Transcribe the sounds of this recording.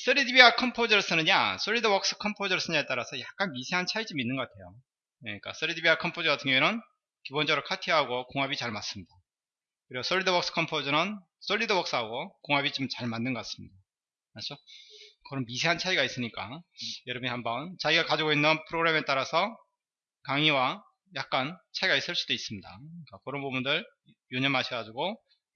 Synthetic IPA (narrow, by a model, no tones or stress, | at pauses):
s͈ʰɯɾidibiakʰʌmpʰod͡ʑʌɭs͈ɯnɯɲa̰s͈ʰoɭːidʌwʌks͈ɯ̥kʰʌmpʰod͡ʑʌs͈ɯɲaet͈aɾasʰʌjak̚k͈anmisʰe̞ɦant͡ɕʰait͡ɕ͈ominːɯnŋɡʌk͈atʰe̞jo | jeɲik͈a̰s͈ʰɯɾidibiakʰʌmpʰod͡ʑʌɡatʰɯŋjoenɯn | kibond͡ʑʌɾɯkʰatʰiɦaɡokoŋɦabit͡ɕaɭmas͈ɯmɲida | kɯɾiɡos͈ʰoɭːidʌwʌks͈ɯ̥kʰʌmpʰod͡ʑʌnɯn | s͈ʰoɭːidowʌk̚s͈ɯɦaɡokoŋabit͡ɕomt͡ɕaɭmandːɯnɡʌk͈as͈ɯ̥mɲida | mat͡ɕʰokʌɾʌnmisʰe̞ɦant͡ɕʰaiɡais͈ɯɲik͈ajʌɾʌbunihambʌnt͡ɕaɡiɡakad͡ʑiɡoinːɯnpʰɯɾoɡɾe̞me̞t͈aɾasʰʌ | kaŋiwa | jak̚k͈ant͡ɕʰaiɡais͈ɯɭs͈ud̥ois͈ɯmɲida̰ɯik͈akɯɾʌnpobundɯɭ | joɲʌmɦaɕʰiɡad͡ʑuɡo